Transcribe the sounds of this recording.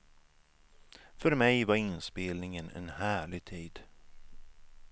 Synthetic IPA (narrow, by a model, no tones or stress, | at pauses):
fœɾmɛjvaɾɪnspeːlnɪŋənɛ̰nhæːɭɪɡ̚t̪ʰiːd̪